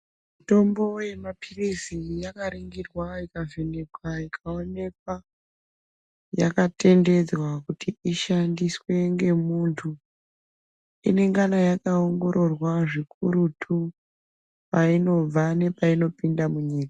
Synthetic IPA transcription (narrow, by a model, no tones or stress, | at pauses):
mito̞mbo̞je̞mapʰirisijakaɾiŋɡirwaikavenekwaikʰao̞ne̞k̚wa | jakate̞nde̞d͡zwakutiiʃandiswe̞ŋɡe̞muntʰu | ḭne̞ŋɡanajakaoŋɡo̞ɾo̞rwaʐikʰuɾutʰu | paino̞b͡vane̞paino̞pindamuɲiːkḁ